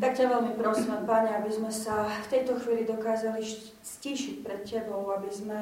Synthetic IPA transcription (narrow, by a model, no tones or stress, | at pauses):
t̪akcaʋɛlmipɾɔsiːmɛmpaɲɛabizmɛsaft̪ɛjt̪ɔxʋiːlid̪ɔkaːzaliʃ | sciːʃicpɾɛt̪cɛbɔʊabizmɛ